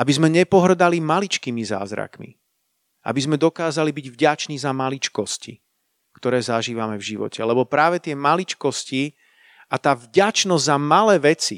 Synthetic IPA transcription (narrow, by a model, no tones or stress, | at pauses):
ʔabizmɛɲɛpɔɦr̩d̪alimalit͡ʃkiːmiza̰ːzɾa̰kmḭ | ʔa̰bizmɛd̪ɔkaːzalibiɟvɟat͡ʃniːzamalit͡ʃkɔscḭ | kt̪ɔɾɛːzaʒiːʋamɛvʒiʋɔ̰cʰɛlɛbɔpɾaːʋɛt̪ɪɛmalit͡ʃkɔsci | at̪aːvɟat͡ʃnɔzzamalɛːʋɛt͡si